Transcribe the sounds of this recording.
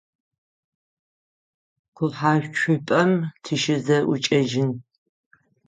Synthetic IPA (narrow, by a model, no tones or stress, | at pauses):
qʷʰʊħaːɕᶣʷt͡ʃʷʰʊpʼɐmtʰiʃɪzɐʔut͡ʃʼɐʒɪn